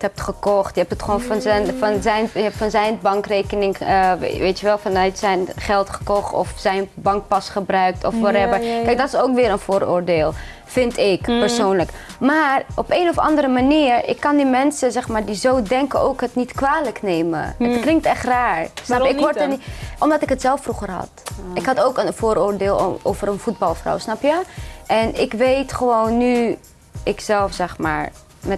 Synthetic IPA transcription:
ətɦɛp̚tχəkɔχtjəɛp̚tətχʋonfɑnzɛnfɑnzɛjnɛfɑnzɛjnbɑŋkrejkənɪŋə̰ʋejtəʋɛlˠfɑnœɥtsɛjnχɛlˠtχə̥kɔχtɔ̰fsɛjnbɑŋk̚pɑsχəbrœɥk̚tʰɔfʋaɾɛvəɹkkɛjk̚dɑtɪsowkʋɪːɾənvʊːɹo̰ːɹdeːlˠ | fɪntɪkpəɹsownləkmaːrɔpejnɔfɑ̰ndəɾəmaniːɹɪ̰kːɑndimɛnsəzɛχmaːɹdizowdɛŋkəowkɦətnitkʋaːləknejmə̰əklɪŋk̚tɛχtraːɹsɑpɪʋɔɹtənʔɔmdɑtɪkɦətsɛlˠfːruχəɹɦɑ̰tɪkɦɑtowkənvoːɾoːɹdeːlˠo̰wvəɾənfut̚bɑlˠfra̰wsnɑpjəʔɛnɪkʋejtχəʋownːy | ɪksɛlˠfsɛχma̰ːɹ | mɛ

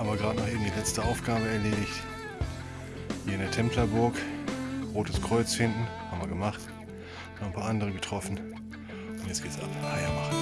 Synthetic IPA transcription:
ʔaːbɐɡʁaːtnɔχʔeːbm̩dilɛt͡stəaʊfɡ̥aːbəɛɐleːdɪçt | v̥iːɐɪndeːɐtʰɛmplɐbʊɐk | ʁoːtəskʁ̥ɔʏt͡sfɪndn̩haːbm̩viɐɡəmaχt | nɔʁχnpʰaːɐʔandəʁəɡətʁ̥ɔfn̩ | ʊntjɛt͡sɡ̥eːtsʔa̰phaɪɐmaχn̩

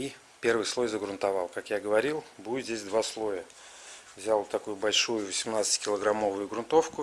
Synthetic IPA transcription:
i | pʲe̞rvɨjslˠo̞jzəɡɾʊnt̪ɐvalˠkakjaɡəvɐɾʲilˠbuzʲdʲesʲd̪vaslˠo̞jə | vzʲalˠt̪ɐkujʊbɐlʲʂujʊvəsʲɪmnat̪sɨ̥tʲkʲɪlˠəɡɾamo̞vʊjʊɡɾʊnt̪o̞fkʊ

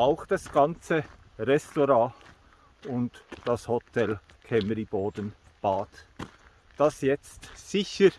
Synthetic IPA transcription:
aʊxd̥ɑsɡ̥ɑnt͡sə | ʁɛstoɾaː | ʊntd̥ɑshotʰɛl | kʰɛməɾiboːdən | b̥aːt | d̥ɑsjɛt͡stsɪçəɾ

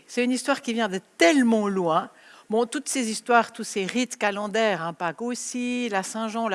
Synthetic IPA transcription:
sɛt̪ynist̪waʁkʲivjɛ̃d̪ət̪ɛlmɑ̃lwɛ̃ | bɔ̃t̪ut̪sezist̪waːʁt̪useʁit̪kalɑ̃d̪ɛʁɛ̃pakosilasɛ̃ʒɑ̃l

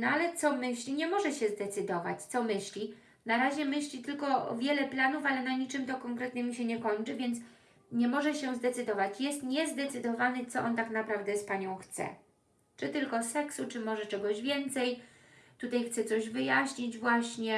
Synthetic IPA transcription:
nɔalɛt̪sɔmɘɕlʲiɲɛmɔʐɛɕɛzd̪ɛt̪sɘd̪ɔva̰t͡ɕt̪sɔmɘɕlʲi | naɾaʑɛmɘɕlʲit̪ɘlkɔ̰vʲjɛlɛplanufalɛnaɲit͡ʂɘmt̪ɔkɔŋkɾɛt̪ɲɛmʲuɕɛɲɛkɔɲt͡ʂɘvʲjɛnt̪s | ɲɛmɔʐɛɕɛzd̪ɛt̪sɘd̪ɔvat͡ɕjɛst̪ɲɛzd̪ɛt̪sɘd̪ɔvanɘt̪sɔʔɔnt̪aknapɾavd̪ɛspaɲɔ̃w̃xt̪sɛ̰ | t͡ʂɘt̪ɘlkɔsɛksut͡ʂɘmɔʐɛt͡ʂɛɡɔʑvʲjɛnt̪sɛj | t̪ut̪ajxt̪sɛt̪sɔʑvɘjaɕɲid͡ʑvwaɕɲɛ

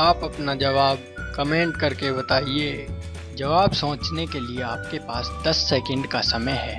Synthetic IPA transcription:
aːpɐpnad͡ʒɐʋaːb̚ | kɐmẽːɳʈ̚kɐɾkebɐt̪aːie | d͡ʒɐʋaːbsõːt͡ʃnekelieaːp̚kepaːsd̪ɐsːɛːkə̃ɳɖkasɐməjɦɛː

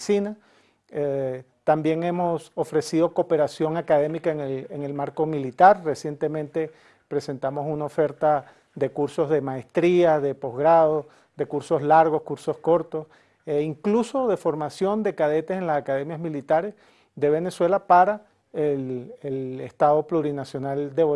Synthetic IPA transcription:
sina | e | t̪ambje̞ŋe̞mo̞so̞fɾe̞sið̞o̞kope̞ɾasjo̞ŋakað̞e̞mikaeŋeleŋe̞lmaɾkomilit̪aɾre̞sje̞nt̪e̞mẽnt̪e̞ | pɾe̞se̞nt̪amo̞sunaofe̞ɾt̪a | ðe̞kuɾso̞zðe̞maest̪ɾiaðepo̞zɣɾað̞o | ðe̞kuɾso̞zlaɾɣo̞skuɾso̞sko̞ɾt̪o̞s | iŋkluso̞ðe̞fo̞ɾmasjo̞nd̪e̞kað̞e̞t̪ese̞nlasakað̞e̞mjazmilit̪aɾes | ðe̞β̞e̞ne̞swe̞lapaɾa | elelest̪að̞o̞pluɾinasjo̞nald̪eβo

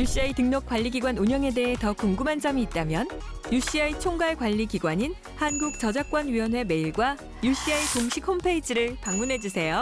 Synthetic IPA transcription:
juɕ͈iaitɯŋɲʌk͈waʎːiɡiɡwanuɲjʌŋe̞de̞ɦe̞tʌkuŋɡɯmɦand͡ʑʌmiːt̚t͈amjʌnjuɕ͈iait͡ɕʰoŋɡaɭkwaʎːiɡiɡwaɲin | hanɡuk̚t͡ɕʌd͡ʑak̚k͈wʌnɥiʌnɦwe̞me̞iɭɡwa | juɕ͈iaikoŋɕʰikʰompʰe̞id͡ʑiɾɯɭpaŋmunɦe̞d͡ʑusʰe̞jo

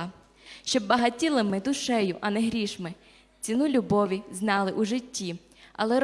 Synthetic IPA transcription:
ʃt͡ʃɔbːɐɦɐtʲilˠɪmɪd̪ʊʃɛjʊʔɐnɛɦɾʲiʃmɪ | t͡sʲinulʲʊbɔʋʲiznɑlˠɪʔuʒɪtʲːi | ɐ̰lˠɛɾ

